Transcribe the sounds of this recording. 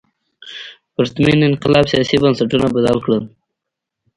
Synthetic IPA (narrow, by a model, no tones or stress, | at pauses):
pəɾt̪minɪnqɪlɑbsijɑsibənsaʈunabad̪ɑlkɽəm